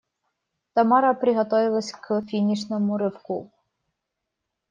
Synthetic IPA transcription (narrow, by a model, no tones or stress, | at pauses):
t̪ɐmɑɾɐpɾʲɪɦɔt̪ɔʋɪlˠɐsʲkfʲinʲiʃnɔmʊɾɪwku